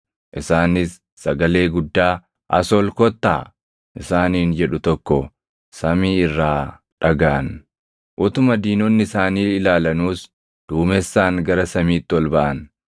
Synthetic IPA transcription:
ʔɪsaːnɪsː | ɐɡɐle̞ːɡʊd̪ːaː | ʔɐ̰sɔlkɔt̪ːa̰ː | ʔɪsaːniːnd͡ʒɛᶑʊt̪ɔkːɔ | sɐmiːɪrːaː | ᶑɐɡaːn | ʔʊt̪ʊmɐd̪iːnɔnːɪɪsaːniːɪlaːlɐnuːs | d̪̥uːmɛsːaːŋɡɐɾɐsɐmiːt̪ːɪwɔlbɐʔɐn

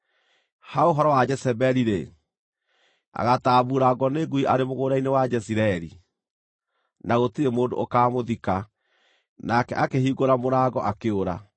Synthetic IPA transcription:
haoɦɔɾɔwad͡ʒɛsɛbɛɾiɾḛ | a̰ɣataːβuɾaɡɔneɡuiʔaɾemoɣoːɾainewad͡ʒɛsiɾaɛɾḭ | naɣotiɾemoːndo̰okaːmoðika | nakɛ̰ʔakehiɣoɾamoɾaɣɔʔakeoɾa̰

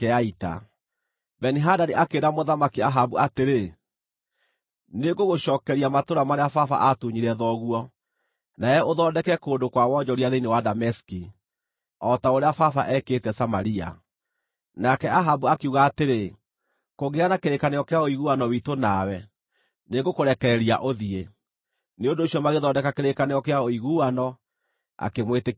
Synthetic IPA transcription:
keaita̰ | bɛniɦadaɾeʔakeɾamoðamakiaɦabuateɾe | neɡoɣoʃɔːkɛɾiamatoɾamaɾeafafa̰ʔatuɲiɾɛðɔɣwɔ | naɛoðɔːdɛkɛkoːndokwawɔd͡ʒɔɾiaðeinewadamɛski | ɔtaoɾeafafaʔɛketɛsamaɾia̰ | nakɛaɦabuakeuɣaːteɾe | koɣeanakeɾekanejɔkeaoiɣuanɔwitonawɛ | neːɡokoɾɛkɛɾɛɾia̰ʔoðie | neondoːɕiɔmaɣeðɔːdɛkakeɾekaneɔkeaoiɣuanɔ | a̰kemwete

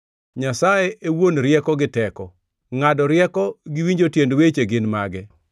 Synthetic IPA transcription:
ɲasaeʔewonɾjɛkɔɡɪtɛkɔ | ŋadɔɾjɛkɔɡɪwiɲd͡ʒotjendwet͡ʃeɡɪnmaɡɛ

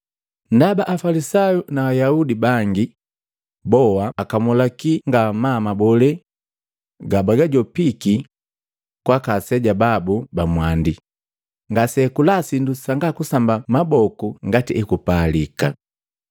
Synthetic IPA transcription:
n̩dabaʔːfalisajunaːjaudibaŋɡi | bɔaːkamɔlakiŋɡamamabɔlɛ | ɡabaɡaɟɔpiki | kwakasɛɟababubamwandi | ŋɡasɛkulasindusaŋɡakusambamabɔkuŋɡatiʔɛkupalika̰

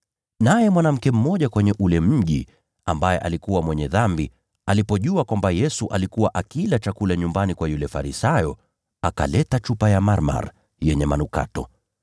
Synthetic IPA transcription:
najɛmwanam̩kɛm̩mɔʄakwɛɲɛʔulɛm̩ʄi | ambajɛʔalikuwamwɛɲɛðambi | alipɔʄuakwambajɛsuʔalikuwaʔakilat͡ʃakulaɲumbanikwajulɛfaɾisajɔ | aka̰lɛtat͡ʃupajamaɾma̰ɾ | jɛɲɛma̰nuka̰tɔ̰

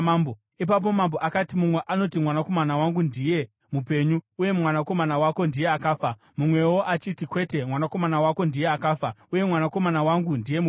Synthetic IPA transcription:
mbo | ip̬ap̬o̞mambo̞ʔakatimumwe̞ʔano̞timwanako̞manawaŋɡundije̞ | mupe̞ɲuuje̞mwanako̞manawako̞ndije̞akaːfa | mumwe̞woʔat͡ʃitikwe̞te̞mwanako̞manawako̞ndije̞akaːfauje̞mwanako̞manawaŋɡundije̞mu

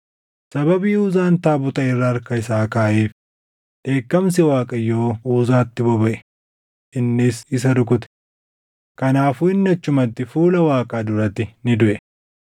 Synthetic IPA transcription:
sɐbɐbiːuːzaːnt̪aːbʊt̪ɐɪrːaːɾkɐɪsaːkaːʔeːf | ᶑe̞ːkːɐms̬ɛwaːkʼɐjːoːuːzaːt̪ːɪbɔbɐʔɛ̥ | ʔɪnːɪsɪs̬ɐd̪ʊk̬ʊt̪ɛ̥ | kɐnaːfuːɪnːɐt͡ʃːʊmɐt̪ːɪfuːlɐwaːkʼaːd̪ʊɾɐt̪ːɪnɪd̪ʊʔɛ

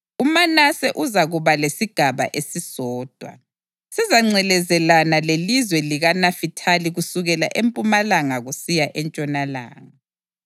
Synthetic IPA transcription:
umanasɛʔuzaɣuβalesiɡ̥ʱaβa̰ʔesisɔːd̥ʱwa̰ | sizaŋ͡ǀɛlɛzɛlanalelizwɛliɣanafitʰaliɣusuɣɛla̰ʔempʼumalaŋaɣusijaʔɛnt͡ʃʼɔnala̰ːŋa

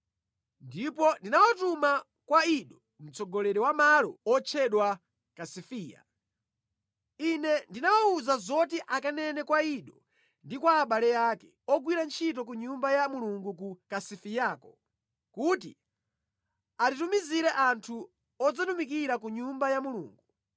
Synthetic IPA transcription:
ndipɔndinawatuma | kwaiɗɔ | m̩t͡sɔɡɔlɛɾɛwamalɔ̰ɔt͡ʃʰɛɗwa | kasifiːja̰ | inɛndinawauzazɔt̬iʔakanɛnɛkwaiɗɔ | ndikwaːɓalɛjakɛ | ɔɡwiɾant͡ʃʰitɔk̬uɲumbajamuluŋɡuk̬ukasifijaːkɔ | kuti | atitumiziɾɛʔantʰu | ɔd͡zatumikiɾak̬uɲumbajamuluːŋɡu

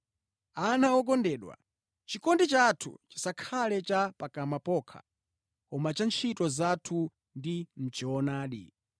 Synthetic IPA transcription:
anaɔk̬ɔndɛːɗwa̰ | t͡ʃikɔndit͡ʃatʰṵt͡ʃi̥sakʰalɛt͡ʃapakamapɔkʰa̰ | kɔmat͡ʃant͡ʃʰitɔzatʰu | ndim̩t͡ʃɔɔnaːɗḭ

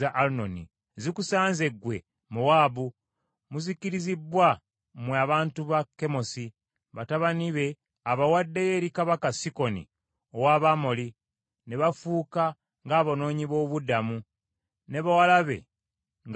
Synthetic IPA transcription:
aʔalunonḭ | zikusaːnze̞ɡwe̞ | muwaːβu | muziciɾizibwa | mwaβaːntuβakːe̞mo̞si | βataβaniβe̞ | aβawadːejeːɾikaβakasiko̞nḭ | owaβamoli | ne̞βafuːka | ŋɡaːβono̞ːɲiβo̞βudamu | ne̞βawalaβe̞̰ | ŋɡ

